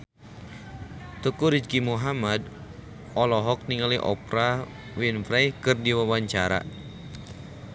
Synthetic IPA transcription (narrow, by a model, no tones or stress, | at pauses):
t̪əkuɾid͡ʒkimuɦamad | ɔlɔɦɔk̚niŋaliʔɔ̰pɾa | winfɾɛjkɨrdiwawaɲt͡ʃaɾa̰